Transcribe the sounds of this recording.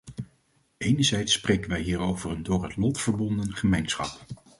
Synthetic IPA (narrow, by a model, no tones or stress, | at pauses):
ejnəɹzɛjtsːprejkənʋɛjɦiːɹowvərəndʊːɹɦətlɔtfəɹbɔndənχəmejnsχɑ̰p